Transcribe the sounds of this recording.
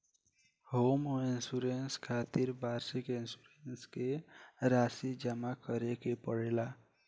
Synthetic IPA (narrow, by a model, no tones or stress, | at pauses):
homoinsuɾenskʰat̪iɾbʱaɾsikinsuɾenskeɾasid͡ʒəmakəɾekepəɽela